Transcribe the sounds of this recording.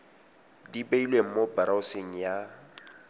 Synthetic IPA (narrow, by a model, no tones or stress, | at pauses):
dibeilweŋ̩mobaɾaʊseŋ̩ja